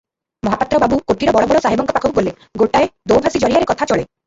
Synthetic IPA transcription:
mɔɦapat̪ːɾɔbabukoʈiɾɔbɔɽɔbɔɭɔsaɦibɔŋkɔpakʰɔkubole | ɡoʈaed̪owbʱasid͡ʒɔɾijaɾekɔt̪ʰat͡ʃɔɭe

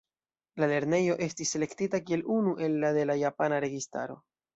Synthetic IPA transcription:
lale̞ɾne̞jo̞ʔe̞stisːe̞le̞ktitakie̞lʔunuʔe̞lːade̞lajapanaɾe̞ɡista̰ɾo̞̰

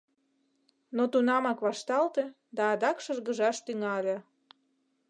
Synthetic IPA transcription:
not̪unɑmɑkβɑʃt̪ɑlt̪e | d̪ɑːd̪ɑkʃərɣəʒɑʃt̪yŋɑlʲe

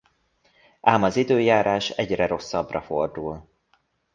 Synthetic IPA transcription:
aːmɒzid̪øːjaːɾaːʃɛɟrɛɾo̞sːɒbrɒfo̞rd̪ul

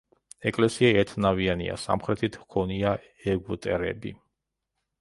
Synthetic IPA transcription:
ɛkʼlɛsiaɛt̪ʰnavianḭa̰sa̰mχɾɛt̪ʰit̪ʰhkʰɔnia | ɛɡut̪ʼɛɾɛ̰bḭ

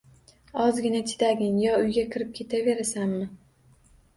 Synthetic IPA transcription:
ɒzɡʲɪnat̪ʰɪ̥d̪aɡʲɪŋjɒʊjɡʲakʰʲɪɾɪp̚kʲʰe̞t̪ʰave̞ɾasamːɪ

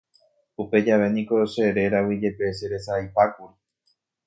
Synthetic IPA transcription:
upe̞d͡ʒaʋe̞nĩko̞ʃe̞ɾe̞ɾawid͡ʒe̞pe̞seɾe̞sajpakuɾi

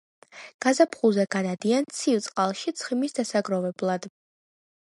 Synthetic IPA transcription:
ɡ̥azapʰχuzɛɡ̥ad̪ad̪iant̪sʰivt̪sʼqʼalˠʃit̪sʰχimisd̪asaɡɾɔvɛblˠad̪̥

